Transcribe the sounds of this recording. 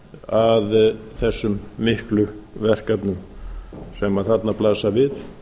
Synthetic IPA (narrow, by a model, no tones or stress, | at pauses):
aðθɛsːʏmːɪhklʏvɛr̥kat̪nʏm | sɛmaðθat̪naplaːsavɪθ